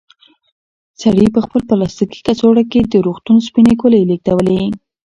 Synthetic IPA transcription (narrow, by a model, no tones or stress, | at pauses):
saɽipəxpəlpalast̪iki̥kasoɽaked̪əɾoxt̪unspinekolelek̚t̪awəle